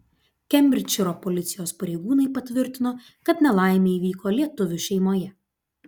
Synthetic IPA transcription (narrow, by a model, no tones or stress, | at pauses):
kʲɛmʲbʲɾʲɪt͡ʃʲɪɾoːpɔlʲɪt̪sʲɪjoːspɐɾʲeɪɡuːnɐɪpɐt̪ʲʋʲɪɾʲt̪ʲɪnoː | kɐt̪nʲɛlˠɑˑɪmʲeiːʋʲiːkoːlʲiɛt̪ʊʋʲʊʃʲɛɪmoːjɛ